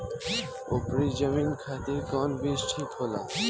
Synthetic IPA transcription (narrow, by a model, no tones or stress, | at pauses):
o̰pɾid͡ʑəminkʰat̪ekɔnbisʈʰit̪ɦola̰